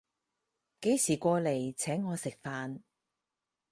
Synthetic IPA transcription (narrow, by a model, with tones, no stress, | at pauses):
ke˨˥jsiː˨˩kʷɔː˧le˨˩jt͡sʰɛː˨˥ŋːɔː˨˧sɪ˨k̚faː˧n